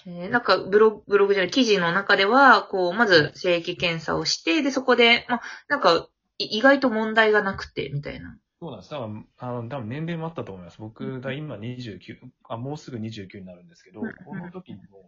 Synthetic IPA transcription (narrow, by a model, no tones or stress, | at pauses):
eːnãŋkabɯ̟ɾo̞ɡbɯ̟ɾo̞ɡɯ̟ʑaɾɯ̟kʲiʑino̞nakad̪e̞β̞ako̞ːmazɨse̞ːkʲikẽ̞ɰ̃sa̰o̞ɕi̥t̪e̞d̪e̞so̞ko̞d̪e̞manãŋka | iiɡait̪o̞mõ̞nd̪aiɡanakɯ̟̥t̪e̞̰mʲit̪a̰ḭna | soːnand̪esɨ̥t̪abɯ̃anot̪abɯ̟̃nẽ̞nɾe̞moat̪ːat̪oːmoimasɨbokɯ̟d̪aimaɲ̟iʑɨːkʲɨɡamo̞ːsɨɡɯ̟ɲ̟iʑɨːkʲɨ̟ːɲ̟inaɾɯ̟̃nd̪esɨ̥ke̞d̪oonot̪o̞kʲiɲimo